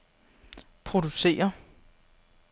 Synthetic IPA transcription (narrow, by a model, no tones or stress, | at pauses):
pʰʁo̝d̥use̝̰ːɐ